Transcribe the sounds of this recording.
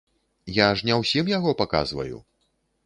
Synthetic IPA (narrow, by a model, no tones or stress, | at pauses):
jaʐnʲɛwsʲimjaɣɔpaka̰zvɐ̰jṵ